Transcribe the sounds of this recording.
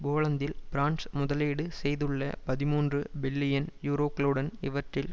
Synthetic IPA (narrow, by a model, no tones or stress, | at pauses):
boːɭɐnd̪ɪlbɪɾaːnsmʊðɐleːɽɯsɛjðɯɭːɐpɐðɪmuːndrɯbɪlːɪjɐnjuːɾoːkːɐlɯɽɐnɪʋɐʈrɪl